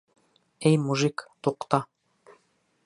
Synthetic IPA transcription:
æjmuʒikt̪uqt̪ɑ

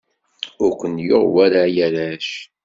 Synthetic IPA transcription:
ʊɾkʷənjʊ̰ʁwæɾajæɾæʃ

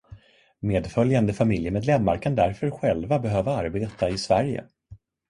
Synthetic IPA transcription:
meːd̪fœljand̪əfamɪljəmeːd̪lɛmːaɾkʰand̪æɾfœɾɧɛlvabɛɦøːvaaɾbeːt̪aɪsvæɾjə̰

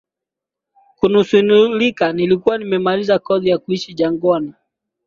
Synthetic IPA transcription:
kunusunulikanilikuwanimɛmalizakɔðijakuiʃiʄaŋɡɔna

